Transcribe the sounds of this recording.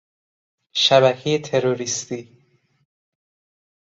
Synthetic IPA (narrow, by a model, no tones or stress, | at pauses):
ʃæβækʰejet̪ʰe̞ɾoɾist̪iː